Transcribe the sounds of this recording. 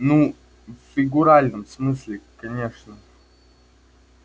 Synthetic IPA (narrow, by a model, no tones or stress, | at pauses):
nu | ffʲɪɡʊɾalʲnəmsmɨsʲlʲɪkɐnʲe̞ʂnə